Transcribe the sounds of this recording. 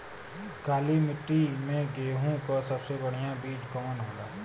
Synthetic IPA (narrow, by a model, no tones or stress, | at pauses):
kaːlimɪʈːimẽɡeːɦũkəsɐbsebɐɽ̤ijãbiːd͡ʒɡəmənɦõːd̪aː